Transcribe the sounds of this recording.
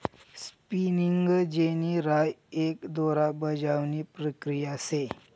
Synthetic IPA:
spiniŋɡd͡ʑeniɾajekd̪oɾabəd͡ʑawniːpɾəkɾijase

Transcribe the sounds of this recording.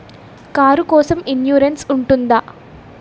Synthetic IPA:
kaːɾukɔːsɐminjuːɾensuɳʈund̪a

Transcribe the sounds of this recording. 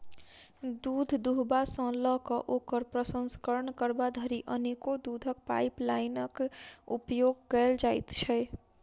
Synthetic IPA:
d̪ud̪ʱd̪uɦbasə̃ləkəʔoːkəɾpɾəsənskəɾəɳkəɾbad̪ʱəɾiʔənekod̪ud̪ʱək̚pa̰ɪplaɪnəkṵpjoɡ̚kɛld͡ʒaɪt̪t͡ʃʰɛ

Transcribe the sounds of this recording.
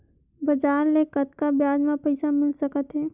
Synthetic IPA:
bəd͡ʒaːɾlekət̪kabjaːd͡ʒmãpəɪsamɪlsəkət̪ɦɛː

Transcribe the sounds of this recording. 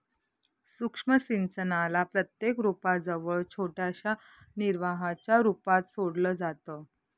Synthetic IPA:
sukʂməsint͡sənalapɾət̪jekɾupad͡zəʋəɭt͡ɕʰoʈaɕa | niɾʋaɦat͡ɕjaɾupat̪soɽləːd͡zat̪ə

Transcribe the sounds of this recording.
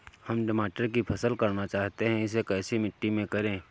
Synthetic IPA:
hɐmɖɪmaːʈəɾkipʰɐsəlkɐɾnat͡ʃaːɦt̪eɦɛ̃ɪs̬ekɛːsimɪʈːimẽkɐɾẽː

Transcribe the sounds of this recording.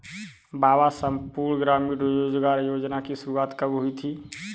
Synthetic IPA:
babasəmpuɾɳɡɾamiɖjod͡ʒɡaɾjod͡ʒnakisuɾuat̪kəbɦʊit̪ʰi

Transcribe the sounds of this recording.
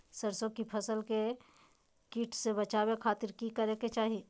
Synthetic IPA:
səɾsõkipʰəsəlke | kiːʈʰsebət͡ʃaːwekʰaːt̪ɪɾkikəɾeket͡ʃaːɦi

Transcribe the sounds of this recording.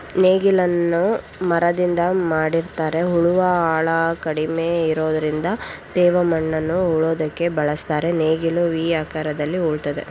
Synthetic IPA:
neːɡilɐnːu | mɐɾɐd̪ind̪ɐmaːɽiɾt̪aːɾe̞ɦuɭuʋɐaːɭɐkɐɽime̞iɾoːd̪ɐɾind̪ɐd̪̥ɛːʋɐmɐɳːɐnːuɦuɭoːd̪ɐkːe̞bɐɭɐst̪aːɾe̞neːɡiluʋiːaːkaɾɐd̪ɐlːiuɭt̪ɐd̪e̞̰

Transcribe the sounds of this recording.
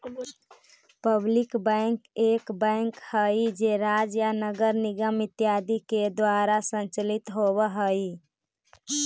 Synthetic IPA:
pəblikbəŋkekbə̃ŋkhəjd͡ʒeɾad͡ʒjanəɡəɾniɡəmit̪jad̪iked̪waɾasənt͡ʃəlit̪ɦoβəɦəj

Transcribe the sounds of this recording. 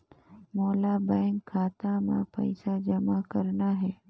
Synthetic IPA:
moːlabɛ̃ːŋkʰːaːt̪ãmã̰pə̰ɪsad͡ʒəmakəɾnaɦɛː

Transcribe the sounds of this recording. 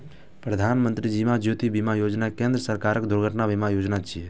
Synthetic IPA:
pɾəd̪ʱaːnmənt̪ɾid͡ʒimad͡ʒjot̪ibimajoːd͡ʒnakẽnd̪ɾəsəɾkaːɾəkd̪ʊɾɡʱəʈnabimajoːd͡ʒnat͡ʃʰie

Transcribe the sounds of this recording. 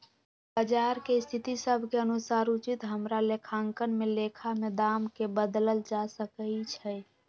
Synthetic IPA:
bəd͡ʒaːɾkest̪ʰɪt̪isəbʱkeənʊsaːɾut͡ʃɪt̪ɦəmɾalekʰaːŋkənmẽleːkʰamed̪aːmkebəd̪ləld͡ʒasəkəit͡ʃʰɛ

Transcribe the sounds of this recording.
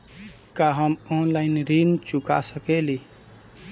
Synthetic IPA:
kaɦəmɔnlaɪnɾint͡ʃʊka̰səkeli

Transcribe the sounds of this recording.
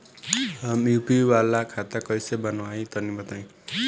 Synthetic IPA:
mjupiwalakʰat̪akʌjsebʌnwajt̪ʌnibʌt̪aj̃

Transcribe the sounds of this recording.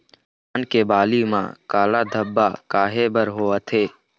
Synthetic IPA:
ankebaːlimã̰ːkaːlad̪ʱəbːakaːɦebəɾɦoːət̪ʰeː

